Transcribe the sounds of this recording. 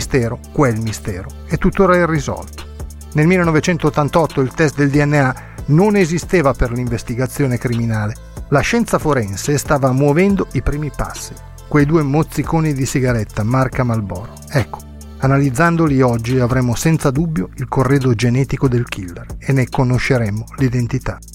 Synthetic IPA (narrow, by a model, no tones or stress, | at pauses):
st̪ɛːɾokwelmist̪ɛːɾo | et̪ːut̪ːoːɾaɛrːizɔ̰lt̪o̥ | nelmilːenɔvet͡ʃɛnt̪oːt̪ːant̪ɔt̪ːoilt̪ɛst̪̚d̪eld̪iɛnːea | nonezist̪eːvaperliɱvest̪iɡat̪sːjoːnekɾiminaːle | laʃɛnt̪safoɾɛnsest̪aːvamwovɛnd̪oipɾiːmipa̰sːi | kwejd̪uːemot̪sːikoːnid̪isiɡaɾɛt̪ːamarkamalbɔ̰ːɾo | ɛkːo̥ | analid̪zːand̪oliɔd͡ʒːiavɾɛːmːosɛnt̪sad̪ubːjoilkorːeːd̪od͡ʒenɛːt̪ikod̪elkʰilːerenekonoʃːeɾɛmːolid̪ent̪it̪a